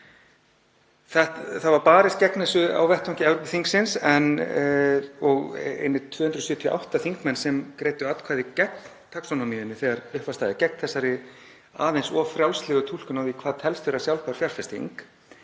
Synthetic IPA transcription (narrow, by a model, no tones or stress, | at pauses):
θɛht̪θavaɾpaːɾɪst̪̚cɛknɛsʏa̰wvɛht̪ʰawŋ̥cɪɛvɾopɪθiŋksɪnsɛn | ɔɣḛjnːɪt̪ʰv̥œːhʏnt̪ɾɔsjʏːt̪ʰjɔʔa̰wht̪aθiŋkmɛnːsɛmkɾeːjt̪ʏat̪kʰvaːðɪcɛk̚nt̪ʰaksɔnomijʏnːɪθɛːɣaɾʏhpvast̪aːjðɪcɛknθɛsːaɾɪ | aːðejnsɔfɾjawlslɛɣʏt̪ʰul̥kʏnawðikʰvaːðt̪ʰɛlst̪ʏɾasjawlpaɾ̥fjaɾ̥fɛst̪ḭŋk